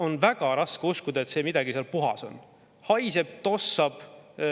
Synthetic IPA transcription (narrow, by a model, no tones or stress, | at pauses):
o̞nvæɡ̥ɑɾɑskeuskud̪ɑe̞t̪se̞ːmid̪̥ɑɡ̥iseɑlpuɦɑ̰so̞̰n | hɑjse̞b̥̚t̪o̞sːɑb̥